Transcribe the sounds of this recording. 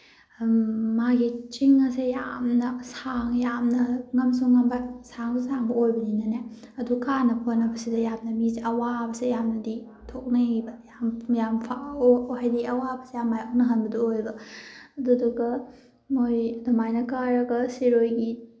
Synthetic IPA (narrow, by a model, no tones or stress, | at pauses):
maɡit͡ʃiŋɐsejamnɐsaŋjamnɐŋɐmsuŋŋːɐmbasaŋsusaŋbɐojbɐninɐne | ɐdukanɐpʰonːɐbɐsidɐjamnɐmisɐwabɐsejamnɐdi | tʰok̚nɐibɐjamjampʰahajdiɐwabɐsejamːajok̚nɐɦɐnbɐduojbɐɐduduɡɐ | mojdɐmajnɐkaɾɐɡɐsiɾojɡi